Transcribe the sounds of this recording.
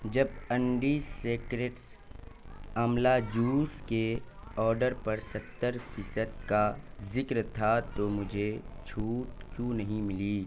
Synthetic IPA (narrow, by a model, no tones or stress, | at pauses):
d͡ʒɐbɐ̃ɳɖiseːkɾeʈs | ɐmlad͡ʒuːskeɔːɾɖəɾpɐɾsɐt̪ːəɾfʰɪsəd̪̚kazɪkɾt̪ʰat̪omʊd͡ʒʱet͡ʃʰuːʈkjũːnɐɦĩmɪliː